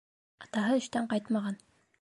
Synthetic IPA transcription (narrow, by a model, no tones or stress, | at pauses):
ɑt̪ɑɦɤɵ̆ʃt̪æɴqɑjt̪mɑʁɑn